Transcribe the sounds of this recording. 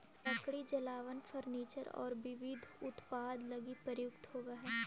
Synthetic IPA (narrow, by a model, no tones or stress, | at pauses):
lɐ̃kɽid͡ʒɐlaːʋənfʰɐɾniːt͡ʃəɾɔ̰ːɾʋɪʋɪd̪ʱʊt̪paːd̪lɐɡipəɾjʊkt̪ɦoːɡaɦɛː